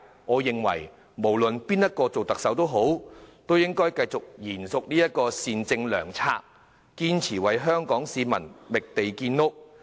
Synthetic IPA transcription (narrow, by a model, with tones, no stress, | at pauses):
ŋɔː˨˧jɪ˨ŋwɐ̰˨˩j | mo˨˩wlɵ˨npiː˥njɐ˥t̚kɔː˧t͡so˨wt̪ɐ˨k̚sɐ˨˥wt̪o˥wɦo˨˥wt̪o˥wjɪ˥ŋkɔː˥jkɐ˧jt͡sʊ˨k̚jiː˨˩nsʊ˨k̚niː˥jɐ˥t̚kɔː˧siː˨˧nt͡sɪ˧ŋlœ̰ː˨˩ŋt͡sʰa̰ː˧k̚ | kiː˥nt͡sʰiː˨˩wɐ˨jɦœː˥ŋkɔː˨˥ŋsiː˨˧mɐ̰˨˩nmɪ˨k̚t̪e˨jkiː˧nːʊ˥k̚